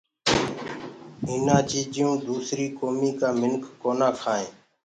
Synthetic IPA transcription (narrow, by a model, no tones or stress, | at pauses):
ɦɪnãːt͡ʃiːd͡ʒɪjũːd̪uːsɾiːkoːmiːkaːmɪnkːoːnãːkʰaːẽː